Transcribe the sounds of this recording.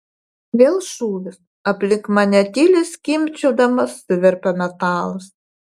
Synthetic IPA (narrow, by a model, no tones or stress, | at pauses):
ʋʲeːlˠʃuːʋʲɪs | ɐpʲlʲɪkmɐnʲɛt̪ʲilʲɪskʲimʲt͡ʃʲoːd̪ɐmɐsʊʋʲɛɾʲpʲɛmʲɛt̪ɑːlˠɐs